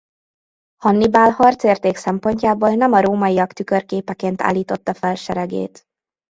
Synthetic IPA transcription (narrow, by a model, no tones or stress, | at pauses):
hɒnːibaːlhɒrt̪seːrt̪eːksɛmpo̞ɲcaːboːlnɛmɒɾoːmɒijɒkt̪ykørkeːpɛkeːnt̪a̰ːlːiːt̪o̞t̪ːɒfɛlʃɛɾɛɡḛːt̪